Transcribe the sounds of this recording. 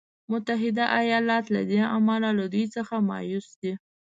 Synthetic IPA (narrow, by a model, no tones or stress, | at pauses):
mʊt̪aɦɪd̪aʔajɑlɑt̪la̰d̪eamɑlalad̪ujt͡səxamɑ̰jusd̪i